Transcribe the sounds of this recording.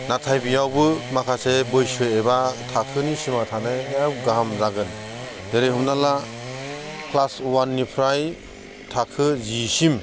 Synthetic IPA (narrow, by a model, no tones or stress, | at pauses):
natʰajbijawbɯmakʰasebɯjsɯjebatʰakʰɯnisimatʰanɯawɡaamzaɡɯn | deɾehumnala | kʰlaswanːipʰɾaj | tʰakʰɯzisim